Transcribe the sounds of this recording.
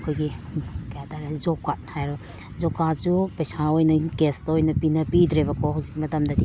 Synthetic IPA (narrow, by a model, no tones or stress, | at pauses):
kʰojɡikɐjataɾezɔkːat̚hajɾɔ | zɔkːat̚supɐjsaojnɐkestɐojnɐpinɐpidɾebɐkʰɔhawzik̚mɐtɐmdɐdi